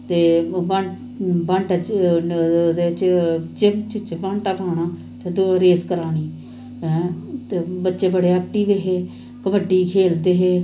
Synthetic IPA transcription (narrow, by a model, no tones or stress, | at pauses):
t̪eːbəɳ | bəɳʈət͡ʃ | d̪eːt͡ʃd͡ʒemt͡ʃt͡ʃbəɳʈapaːɳaː | t̪ʰed̪oɾeːskəɾaːniː | t̪eːbətːʃeːbəɽeːɛːk̚ʈiːʋeɦeː | kəbəɖiːkʰeːld̪eːɦeː